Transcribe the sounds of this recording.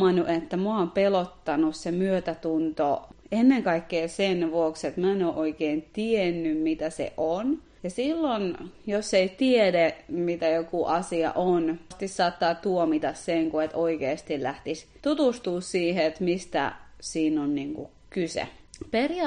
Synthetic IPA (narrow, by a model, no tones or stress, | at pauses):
ɑnuʔet̪ːæmuɑˑompelot̪ːɑnussemyøt̪æt̪unt̪oenːeŋkɑikːeːsenʋuokset̪mæːnoːʔoikeːnt̪ienːymmit̪æsḛʔon | jɑsilːonjoseit̪iedemit̪æjokuʔɑsiɑ̰ʔonst̪issɑːt̪ːɑːt̪uomit̪ɑsseŋkuet̪oikeːst̪illæht̪ist̪ut̪ust̪uːssiːheet̪mist̪æ̰siːnonniŋkṵ | kysḛperjɑ